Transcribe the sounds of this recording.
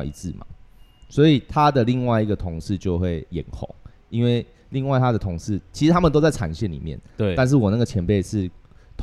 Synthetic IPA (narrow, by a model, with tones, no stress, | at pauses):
ḭ˧˥t͡sɹ̩˥˨ma̰˩swɔ˧˦˥i˨˩t̪ʰa˦d̪ə˨li˥˧ŋwa˥˩ɪi˧˥ɡə˨t̪ʰʊ˧˥ŋʂɻ̩˥˧t͡ɕjo˥˧ʊxwe˥˩ɪjɛ̰˨˩nxʊ̰˨˦ŋ | i˦˥nwe˥˩ɪ | li˥˧ŋwa˥˩ɪt̪ʰa˦d̪ə˨t̪ʰo˧˥ŋʂɻ̩˥˩t͡ɕʰi˧˥ʂɻ̩˨˧t̪ʰa˥mə˨t̪o˥t͡sa˥˩ɪʈ͡ʂʰa̰˨˩nɕjɛ˥˩nlḭ˨˩mjɛ̰˥˨na˧nʂ̬ɻ̩˥˩wɔ˨˩na˥˩ɡə˩t͡ɕʰjɛ˧˦npe˥˧ɪʂɻ̩˥˩t̪ʰ